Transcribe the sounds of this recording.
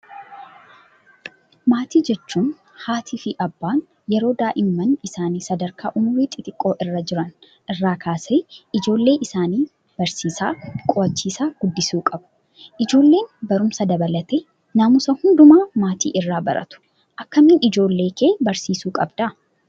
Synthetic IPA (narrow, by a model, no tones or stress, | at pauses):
maːt̪iːd͡ʒɛt͡ʃːuːn | haːt̪ʰiːfɪʔɐbːaːn | jɛɾo̞ːd̪aːʔɪmːɐnɪsaːniːsɐd̪ɐɾkʰa̰ːʔʊmʊɾiːt̪ʼɪt̪ʼɪkʼːo̞ːʔɪrːɐd͡ʒɪɾɐn | ʔɪrːaːkʰaːseːʔɪd͡ʒo̞ːlːe̞ːʔɪsaːniː | b̥ɐɾsiːsaːkʼɔɐt͡ʃːiːsaːɡ̥ʊd̪ːɪsuːkʼɐbʊ̥ | ʔɪd͡ʒo̞ːlːeːnbɐɾʊmsɐd̪ɐbɐlɐt̪ɛ | nɐmʊsɐhʊnd̪ʊmaːmaːt̪ḭːʔɪrːaːbɐɾʔɐ̰t̪ʊ̥ | ʔɐkːɐmɪːnɪd͡ʒo̞ːlːe̞ːkʰeːbɐɾsiːsuːkʼɐbd̪ɐ